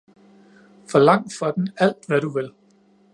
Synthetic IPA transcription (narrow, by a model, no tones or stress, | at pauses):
fɒlɑ̈ŋ̰d̥fɒ̽d̥n̩æl̰d̥ʋæɾuʋe̝l